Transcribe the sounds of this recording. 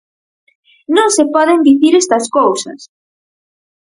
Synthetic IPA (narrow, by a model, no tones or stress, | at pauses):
nõŋsepɔðend̪iθiɾest̪ɐskowsɐ̰s